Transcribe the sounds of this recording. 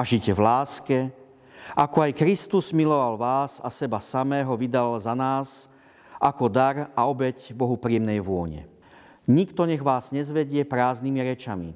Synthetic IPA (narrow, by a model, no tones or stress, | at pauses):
aʒicɛvlaːskɛ | ʔakɔajkɾist̪uzmilɔʋalʋaːsasɛbasamɛːɦɔʋid̪alzanaːs | ʔakɔd̪aɾaɔbɛcbɔɦupɾiɛmnɛjʋʊɔɲɛ̰ | ɲikt̪ɔɲɛɣʋaːzɲɛzʋɛɟɪɛpɾaːznimiɾɛt͡ʃamḭ